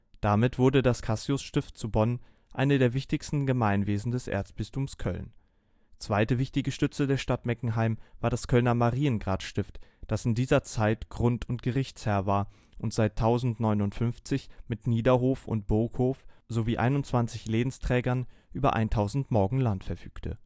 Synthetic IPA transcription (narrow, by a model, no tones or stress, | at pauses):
d̥amɪtv̥ʊɐdədaskʰasjʊsʃtɪft̚t͡subɔn | ʔaɪnədeːɐvɪçtɪçstn̩ɡəmaɪnveːzn̩dɛsʔḛɐt͡sb̥ɪstʰuːmskʰœ̰ln | t͡sv̥aɪtəvɪçtɪɡəʃtʏt͡sl̩deːɐʃtatmɛkŋ̩ɦaɪmvaːɐdaskʰœlnɐmaʁiːənɡʁaːtʃtɪftd̥asɪndiːzɐt͡saɪtɡ̥ʁʊntʰʊntɡ̥əʁɪçt͡shɛːɐvaːɐ | ʔʊntz̥aɪtʰːaʊzn̩tnɔʏnʊntfʏnft͡sɪçmɪtniːdɐɦoːfʊ̰nt̚b̥ʊɐkhoːfz̥oviːʔa̰ɪnʊntt͡sv̥ant͡sɪçleːbn̩stʁ̥ɛːɡɐnʔyːbɐ̰ʔa̰ɪntʰaʊzn̩tmɔɐɡŋ̩lantfɛɐfyːktʰə̰